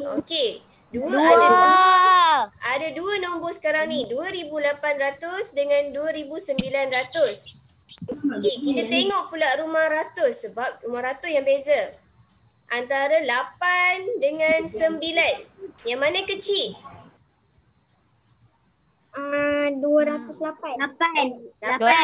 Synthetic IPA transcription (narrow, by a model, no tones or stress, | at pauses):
o̰ke | duəada | adaduənombɔsə̥kaɾaŋnĩduəɾibulapanrat̪ʊsdəŋãnduəɾibusəmbilanrat̪ʊs | okekit̪at̪eŋɔʔpulaɾumahɾat̪ʊsːəbap̚rumahɾat̪ʊsjaŋbeza | ʔant̪aɾəlapandəŋãnsəmbilanjaŋmanakət͡ʃɪ | əduəɾat̪ʊslapanaala